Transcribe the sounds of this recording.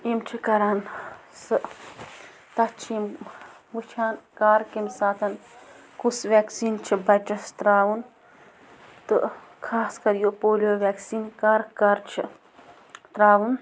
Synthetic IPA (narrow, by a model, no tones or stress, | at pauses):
imt͡ʃʰikɐɾaːnsɨ | t̪ɐt͡ʃʰim | ʋut͡ʃʰaːnkaːɾkimsaːt̪ʰɐn | kusʋeːksiːnt͡ʃʰibɐʈɐst̪ɾaːʋun | t̪ɨ | kʰaːskɐɾjopoːlijoːʋeːksiːnkaɾkɐɾt͡ʃʰḭ | t̪ɾaːʋun